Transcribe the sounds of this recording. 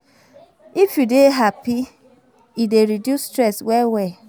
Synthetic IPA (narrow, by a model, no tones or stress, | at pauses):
ifjudeɦapi | ideɾidjustɾɛswɛwɛ